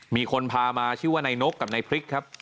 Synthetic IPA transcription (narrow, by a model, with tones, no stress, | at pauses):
miː˧kʰo˧npʰaː˧maː˧t͡ɕʰɯː˥˩waː˥˩na˧jno˦˥kːa˨˩p̚na˧jpʰɾi˦˥kʰːa˦˥p̚